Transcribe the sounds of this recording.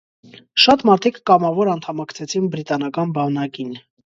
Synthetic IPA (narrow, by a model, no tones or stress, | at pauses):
ʃɑt̪mɑɾt̪ʰikʰːɑmɑvɔɾɑnt̪ʰɑmɑkʰt͡sʰɛt͡sʰinbɾit̪ɑnɑkɑnbɑnɑkin